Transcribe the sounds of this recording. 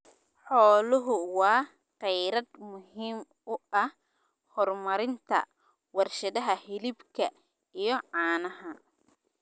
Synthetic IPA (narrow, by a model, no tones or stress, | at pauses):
ħɔːlʊɦʊwɑː | qɛjɾɐd̪mʊhiːm | ʊʔɐh | hɔrmɐɾɪnt̪ʰɐ̰ | wɑrʃɐðɐɦɐhɪlɪbkʰɐ | ijɔʕɑːnɐɦɐ